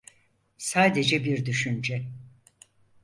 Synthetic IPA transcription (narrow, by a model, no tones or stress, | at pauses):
saːd̪e̞d͡ʒɛbiɾd̪yʃynd͡ʒɛ